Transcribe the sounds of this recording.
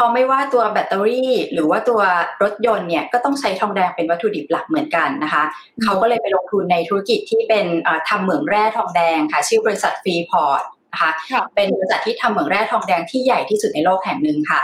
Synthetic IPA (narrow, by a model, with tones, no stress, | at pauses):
pʰɔː˧ma˥˩jwaː˥˩t̪u˧ɐbɛ˨˩t̪ːa˧ɾiː˥˩ɾɯː˩˦waː˥˩t̪u˧ɐɾo˦˥t̪̚jo˧nːi˥˩ɐkɔː˥˩t̪ɔ˥˩ŋt͡ɕʰa˦˥jt̪ʰɔː˧ŋdɛː˧ŋpe˧nwa˦˥t̪ʰːu˧di˨˩p̚la˨˩k̚mɯ˩˦ənka˧nːa˦˥kʰa˦˥ | kʰa˦˥wkɔː˥˩lɤː˧jpa˧jlo˧ŋt̪ʰu˧nːa˧jt̪ʰu˦ɾa˦˥ki˨˩t̪ʰːiː˥˩pe˧nʔɤː˨˩t̪ʰa˧mːɯ˨˩˦əŋɾɛː˥˩t̪ʰɔː˧ŋdɛː˧ŋkʰa˦˥˩t͡ɕʰɯː˥˩bɔː˧i˧˥sa˨˩t̪̚fɾiː˧pʰɔː˦˩˥t̪̚ | na˦˥kʰa˦˥pe˧nbɔː˧i˧sa˨˩t̪ʰːiː˥˩t̪ʰa˧mːɯ˨˩˦ŋɾɛː˥˩t̪ʰɔː˧ŋdɛː˧ŋt̪ʰiː˥˩ja˨˩jt̪ʰiː˥˩su˨˩t̪̚na˧jloː˥˩k̚hɛ˨˩˦ŋnɯ˨˧ŋkʰa˥˩